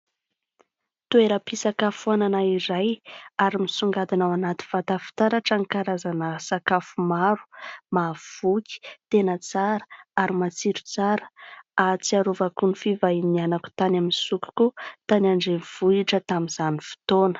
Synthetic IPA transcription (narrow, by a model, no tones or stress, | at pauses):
t̪ueɾəpisakafuananaiɾajaɾimisuŋɡad̪inawanat̪i̥v̥at̪afi̥t̪aɾaʈ͡ʂaŋikaɾazanəsakafumaɾu̥mav̥ukʲi̥t̪enət͡saɾə̥aɾimat͡siɾu̥t͡saɾə̥at͡siaɾuvakunifivainianaku̥t̪anaminsuku̥kut̪anaɳɖ͡ʐenv̥uiʈ͡ʂət̪aminz̥anifi̥t̪onə̥